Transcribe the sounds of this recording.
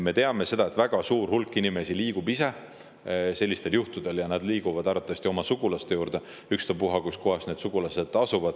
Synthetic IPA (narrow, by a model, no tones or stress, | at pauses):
me̞t̪e̞ɑme̞se̞d̪̥ɑe̞t̪ːˑvæɡ̥ɑsuːrhulkːˑinime̞siliːɡ̥ubise̞ | se̞lːist̪e̞ljuht̪ud̪̥e̞ljɑnæd̪liːɡ̥uvɑd̪̥ɑɾrɑt̪ːˑɑvɑsʲt̪io̞mɑsuɡ̥ulɑst̪e̞juːɾd̪e̞ | ykst̪ɑpuɦɑkusko̞ɦɑsne̞ːd̪suɡ̥ulɑse̞d̪̥ɑsuvɑd̪̥